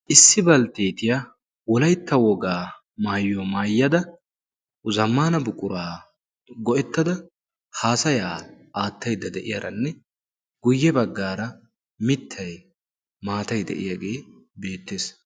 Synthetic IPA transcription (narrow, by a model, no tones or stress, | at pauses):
ʔɪsːɪbɐlt̪eːt̪ɪja | wɔlɐjt̪ːɐwɔɡaː | maːjːomaːjːɐd̪ɐ | ʊzɐmːaːnɐbʊkʼːʊɾaː | ɡɔʔɛt̪ːɐd̪ɐ | haːsɐjaːʔaːt̪ːɐjd̪ɐd̪ɛʔɪjɐɾʔɐnːɛ | ɡ̥ʊjːɛbɐɡːaːɾɐ | mɪt̪ʰːɐj | maːt̪ɐjd̪ɛ̰ʔɪ̰jaːɡe̞ːbe̞ːt̪ːeːs